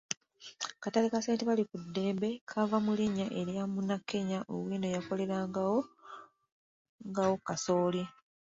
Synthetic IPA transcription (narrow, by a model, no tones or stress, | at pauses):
katalekase̞ːnteβalikudːe̞ːmbe̞kʰavamuliɲaʔe̞ɾjamunakʰːe̞ɲaʔo̰wiːnojako̞le̞ɾaːŋɡawo | ŋɡawo̞kaso̞ːlje